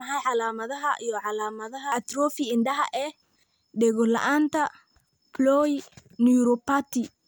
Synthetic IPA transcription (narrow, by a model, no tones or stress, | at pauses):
ɐɦɐjʕɑlaːmɐðɐɦɐʔijɔʕɑlaːmɐðɐɦɐt̪rɔːfɪɪnɖɐɦɐ̰ʔɛː | ɖɛɣɔlɐ̰ʔaːnt̪ʰɐ | plɔːjnjuɾɔpaːt̪ʰɪ